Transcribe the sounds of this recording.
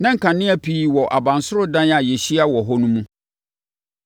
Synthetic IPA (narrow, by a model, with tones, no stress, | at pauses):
nã˦ŋ̩˨kʰã˨nɪ̃˦ɛ˦pʰiː˦wɔ˨ʔa˨bã˨nsʊ˦ɾʊ˦dã˦na˨jɛ˨ɕi˦a˦wɔ˨ɦɔ˦nũ˦mũ˦